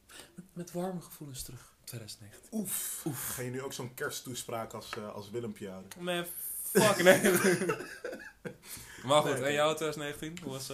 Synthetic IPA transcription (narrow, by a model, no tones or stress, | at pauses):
ɛmɛtʋarməχəfulənstrøx | tʰːʋeːdœzən̩tnexətiufufkajənyowksonkɛɹstuspraːkəɔsɑ̰lˠsʋɪləmpjaːdənɛ | fakne | maxutɛnjawtʰeːdəzəneːxəntinɔs